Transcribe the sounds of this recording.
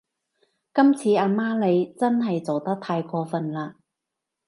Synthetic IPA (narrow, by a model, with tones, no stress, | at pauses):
kɐ˥mt͡sʰiː˨˧aː˧maː˥le˨˧jt͡sɐ˥nɦɐ˨jt͡so˨wt̪ɐ˥k̚t̪ʰaː˧jkʰɔː˧fɐ˨˩nlaː˧